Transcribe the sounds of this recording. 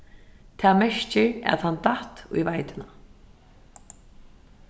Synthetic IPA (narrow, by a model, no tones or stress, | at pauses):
t̪ʰɛːmɛʂcɪɾa̰ðhant̪aht̪ṵjvajt̪ɪna